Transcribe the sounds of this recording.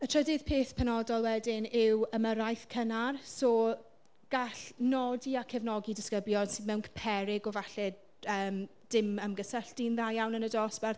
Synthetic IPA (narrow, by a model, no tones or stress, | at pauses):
ətʰr̥ədɪð̥pʰeːθpʰɛnɔdɔlˠwɛdɪnɪwəməɾajθkʰənarsoː | ɡ̥aɬnɔdiakʰɛvnɔɡidɪskəbljɔnsiːðmɛwnkʰpʰɛɾɪɡɔvaɬɛ | əːmd̥ɪməmɡəsəɬd̥inðajawnənədɔsb̥ɛr